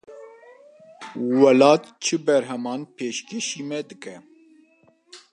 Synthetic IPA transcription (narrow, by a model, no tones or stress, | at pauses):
wɛlɑːt̪t͡ʃʰɨbɛɾɦɛmɑːnpʰeːʃkeʃiːmɛd̪ɨkɛ